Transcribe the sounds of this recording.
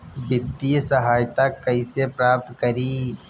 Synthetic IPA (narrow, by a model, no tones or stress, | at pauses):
bɪt̪ːisɐɦaːjt̪akɐisepɾaːp̚t̪kəɾiː